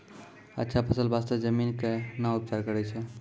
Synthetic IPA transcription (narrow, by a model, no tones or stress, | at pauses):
ətːʃʰapʰəsəlbast̪əd͡ʒəminkenaup̚t͡ʃaɾkəɾɛt͡ʃʰɛ